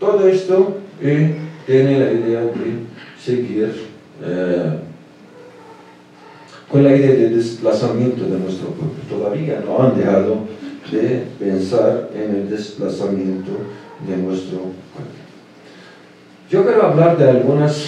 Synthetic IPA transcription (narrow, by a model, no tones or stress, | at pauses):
t̪oðoest̪oet̪jenelaiðead̪eseɣiɾ | e | konlaiðeaðeld̪esplasamjent̪oðenwest̪ɾopweβlot̪oðaβiano̰and̪exaðod̪epensaɾeneld̪esplasamjent̪od̪enwest̪ɾoka̰ɾt̪e | d͡ʒokeɾoaβlaɾd̪ealɡunas